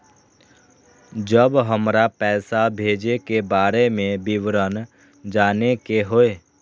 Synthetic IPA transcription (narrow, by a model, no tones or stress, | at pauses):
d͡ʒəbɦəmɾapɛːsabʱeːd͡ʒekebaːɾemẽbɪʋɾən | d͡ʒaːnekeɦoeː